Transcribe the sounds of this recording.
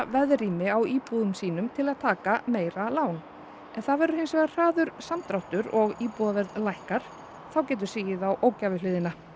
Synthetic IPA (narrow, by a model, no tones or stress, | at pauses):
vɛðriːmɪawiːpuðʏmsiːnʏmt̪ʰɪlaðt̪ʰaːkameːjɾalaːwn | ɛnθaðvɛɾʏɾhɪnsvɛːɣḁr̥aːðʏɾ̥samt̪ɾawht̪ʏɾɔɣiːpuðavɛɾðlajhkaɾ̥ | θawcɛːt̪̬ʏ̥siːjɪðawʔoːwcavɪlɪːðɪna